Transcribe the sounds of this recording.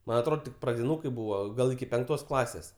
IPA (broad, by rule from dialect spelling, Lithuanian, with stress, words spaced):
ˈmɐnʲ ɐtˈroːt tʲɪk prɐdʲɪˈnuːkɐɪ ˈbuːʋɐ ˈɡɐlˠ ɪkʲɪ pʲɛŋkˈtoːs ˈklˠɑːsʲeːs